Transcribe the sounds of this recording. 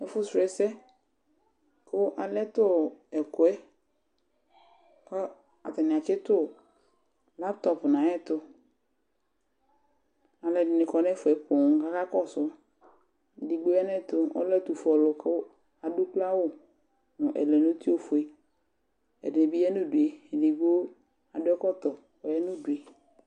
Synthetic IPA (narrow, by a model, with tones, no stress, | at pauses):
ɛ˦fʊ˦sɛ˨sɛ˦ | kʊ˦ʔa˨lɛ˦tʊ˦˨ɛ˨kʊ˨ɛ˦ | kɔ˦ | a̰˨ta˨nɪ˨a˨kɪ˦tʊ˦˨ | la˦pt̪ɔ˨pnã˨˦ɛ˦tʊ˦ | a˨lɛ˨dɪ˨nɪ̃˨kɔ˨nɛ˦fʊ˨ɛ˨pʊ˨ŋ˨ka˦ka˦kɔ˦˨sʊ˦˨ | di˨ɡ͡bo˦ɛ˦nɛ˦˨tʊ˨ɔ̰˦lɛ˦tu˨fɔ˨lʊ˨kɪ˦ | a˨dʊ˦kla˦wʊ˦˨ | nʊ˨ʔɛ̰˨lɛ˨no˦ti˦o˦fʊ˨e˨ | ɛ̰˨dɪ˨nɪ˨bi˦jɛ˦nʊ˦˨du˨e˨di˨ɡ͡bo˦ | a˨dʊ˦ɛ˦kɔ˦tɔ˨ | ɔ˨jɛ˦nʊ˦˨du˨e˨